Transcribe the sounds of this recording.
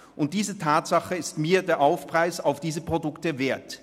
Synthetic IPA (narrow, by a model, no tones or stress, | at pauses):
ʔʊnt̚d̥iːzətʰaːtz̥aχəɪstmiːɐdeːɐʔaʊfpʁ̥aɪsaʊfd̥iːzəpʁ̥odʊktəveːɐt